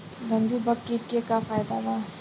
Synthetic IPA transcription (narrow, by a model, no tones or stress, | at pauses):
ɡə̃nd̪ibəkːiʈkekafʰaːjd̪aba